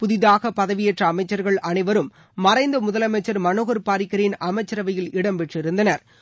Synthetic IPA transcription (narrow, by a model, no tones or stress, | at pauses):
pʊðɪðaːɣɐpɐðɐʋɪjɛʈrɐːmɐɪt͡ʃːɐɾɣɐɭɐnɐɪʋɐɾɯmː | ɐrɐɪnd̪ɐmʊðɐlɐmɐɪt͡ʃːɐɾmɐnoːɣɐɾpaːɾɪkːɐɾɪnɐmɐɪt͡ʃːɐɾɐʋɐjɪlɪɽɐmpɛʈrɪɾɯnd̪ɐnɐɾ